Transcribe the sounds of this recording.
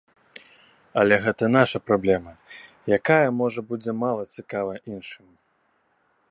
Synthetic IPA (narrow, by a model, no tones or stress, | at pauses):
ɐlʲɛɣɛt̪ɐn̪aʂɐpɾablʲɛmɐ | jakajɐmɔʐɐbud͡zʲɛmalˠɐt͡sʲikavɐʔinʂɨmʲ